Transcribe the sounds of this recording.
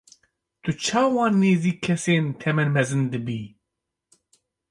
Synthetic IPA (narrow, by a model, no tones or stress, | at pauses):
t̪ʰɨt͡ʃʰaːwɑ̃ːnːeːziːkʰːɛseːnt̪ʰɛmɛnmɛzɨnd̪ɨbiː